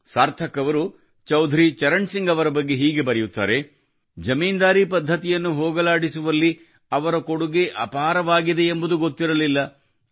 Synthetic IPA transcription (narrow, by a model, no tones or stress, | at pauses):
saːɾt̪ʰɐkːɐʋɐɾu | t͡ʃɐwd̪ʱɾit͡ʃɐɾɐɳsiŋɡɐʋɐɾɐbɐɡːe̞ɦiːɡe̞bɐɾɐjut̪ːa̰ːɾe̞ | d͡ʒɐmiːnd̪aːɾipɐd̪ʱːɐt̪ijɐnːuɦoːɡɐlaːɽisuʋɐlːi | ɐʋɐɾɐko̞ɽuɡeʔɐpɐɦaːɾɐʋaːɡid̪e̞ːmbud̪uɡot̪ːiɾɐlilːɐ